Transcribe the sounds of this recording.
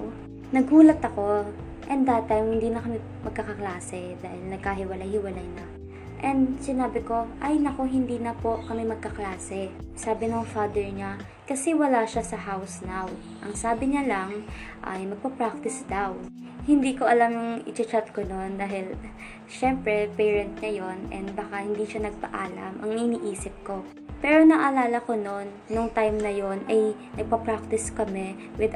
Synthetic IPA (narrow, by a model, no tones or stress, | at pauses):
nɐɡhuːlɐt̪ɐko̞ | ʔɛnd̪at̪ːajmhɪnd̪iːnɐkɐmɪ | mɐɡ̚kɐkɐklaːsɛd̪aːhɪlnɐɡ̚kaɦɪwɐlajhɪwɐlajnɐ | ʔɛnd̪sɪnaːbɪko̞ʔɐjnɐko̞ɦɪnd̪iːnɐpo̞ʔkɐmɛmɐɡ̚kɐklaːsɛsaːbɪnoŋfaːd̪ɛɹɲa | kɐsɛwɐlaʃasɐhawsnaw | ʔɐŋsaːbɪɲalɐŋ | ʔɐ̰jmɐɡ̚pɐpɹak̚t̪ɪsd̪aw | hɪnd̪iːko̞ʔɐlamjʊŋɪt͡ʃɪt͡ʃat̪̚konond̪aːɦɪl | ʃɛmpɾɛpɛːɹɛnt̪̚ɲɐjo̞nɛ̰nd̪̚bɐkahɪnd̪iːʃanɐɡ̚pɐ̰ʔaːlɐ̰mʔɐ̰ŋɪniːʔiːsɪp̚ko̞ | pɛːɾonɐʔɐlaːlɐko̞no̞nːoŋt̪ajmnɐjo̞nɐjnɐɡ̚pɐpɹak̚t̪ɪskɐmɛ | wɪd̪